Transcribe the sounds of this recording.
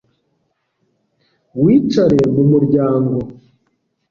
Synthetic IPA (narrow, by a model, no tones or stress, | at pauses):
wiːt͡ʃaɾe̞mumuɾɟaːŋɡo̞